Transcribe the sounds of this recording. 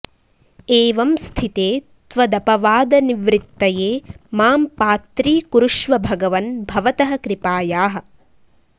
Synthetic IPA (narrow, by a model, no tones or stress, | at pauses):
eːʋɐmst̪ʰit̪eː | t̪ʋɐd̪ɐpɐʋaːd̪ɐniʋɾit̪ːɐjeːmaːmpaːt̪ɾiːkuɾuʃʋɐbʱɐɡɐʋɐnbʱɐʋɐt̪ɐɦɐ̆kɾipaːjaːɦɐ̆